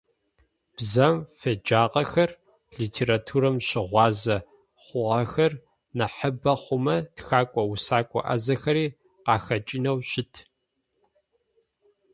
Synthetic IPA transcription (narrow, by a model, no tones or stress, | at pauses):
b̥zɐmfed͡ʒaːqɐxɐr | ɮitʰeːɾatʰuːɾɐmɕɪʁʷɑːzɐ | χʷʊʁɐxɐr | nɐħəbɐχʷʊmɐtxaːkʷʼɔwʊsaːkʷʼɔ̰ʔɐ̰zɐxɐɾiː | qɑːxɐt͡ʃʼinɐwɕɪtʰ